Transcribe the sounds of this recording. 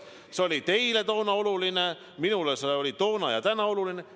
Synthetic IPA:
seo̞lʲit̪e̞ile̞t̪o̞ːnɑo̞luline | minuleseo̞lʲit̪o̞ːnɑjɑ̰t̪ænɑo̞luline

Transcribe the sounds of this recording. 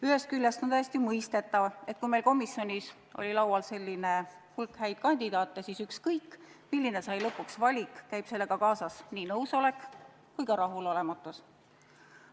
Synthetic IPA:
yɦe̞st̪kylʲːjest̪ont̪æjest̪ijumɤjst̪e̞t̪ːˑɑve̞t̪̚ːˑkujmelko̞misːjo̞nʲis | ʔo̰lʲilɑwwɑlse̞lʲːine | hulkhæjd̪̥̚kɑnʲd̪̥id̪̥ɑːt̪ːˑesisykskɤjkˑːmilːine̞sɑjlɤpːuksvɑlʲikkæjb̥se̞lːeɡ̥ɑkɑːsɑsniːnɤwso̞le̞kː | kujkɑɾɑɦulo̞le̞mɑt̪ːˑus

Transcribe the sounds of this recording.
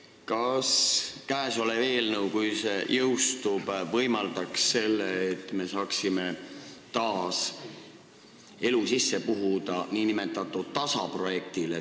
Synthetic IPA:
kɑskæːso̞leve̞ːlnəwkujsejʔɤwst̪ub̥vɤjmɑld̪̥ɑksːe̞lːeːt̪ːˑme̞sɑːksimet̪ɑːs | e̞lusisːe̞puɦud̪ɑniːnime̞t̪ːˑɑt̪ːˑud̥t̪ːɑsɑ̰pro̞je̞k̚t̪ile

